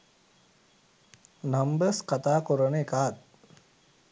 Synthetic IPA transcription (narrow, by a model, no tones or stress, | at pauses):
nambəskat̪aːkuɾənəekaːt̪̚